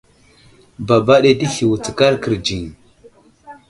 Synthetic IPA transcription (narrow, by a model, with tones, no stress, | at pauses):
ba˨ba˦ɗe˦ti˦hi˨wu˨t͡si̥˨ka˦ɾkə˨ɾd͡ʒi˨ŋ˨